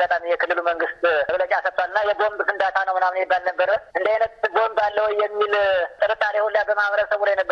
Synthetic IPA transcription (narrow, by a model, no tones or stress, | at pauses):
ɡat̪ʼamijɛkʰɨlːɨluməŋɡɨst̪əɡlət͡ʃʼasət̪ʼːwalɨnːajɛɡo̞mbkʰɨnd̪at̪ʰanəwmɨnamnɛbːalnəbːəɾəɨnd̪ajnət̪ɨɡo̞mbalːəwɔjːɛmːilt̪ʼəɾɨt̪ʼːaɾehulːjabəmahβəɾəsəβulajɛnəbːə